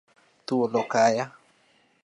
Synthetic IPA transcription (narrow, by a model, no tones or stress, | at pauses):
t̪uolokaja